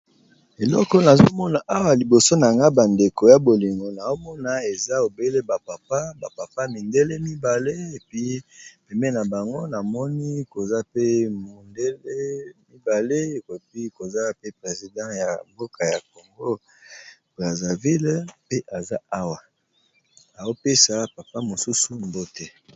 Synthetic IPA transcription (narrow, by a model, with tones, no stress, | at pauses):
e˨lɔ̰˦kɔ˦na˨zo˦mɔ˦na˨ʔa˦wa˨li˨bo˨so˦na˨ŋɡa˦ba˨nde˨ko˨ja˦bo˨li˨ŋɡo˨na˨o˦mɔ˦na˨e˨za˦o˨be˦le˦ba˨pa˨pa˦ba˨pa˨pa˦mi˨nde˦le˦mi˦ba˨le˦e˨pi˦pɛ˨mɛ˦na˨ba˨ŋɡo˦na˨mɔ˦ni˦ko˨za˦pe˦mo˨nde˦le˦mi˦ba˨le˦˨pi˦ko˨za˦pe˦pʁe˨zi˨dɑ̃˦ja˨mbo˦ka˨ja˨ko˨ŋɡo˦ | b̥ʁa˨za˨vi˦lpe˦ʔa˨za˦a˦wa˨ | na˨o˦pe˦sa˨pa˨pa˦mo˨su˦su˨mbo˦te˦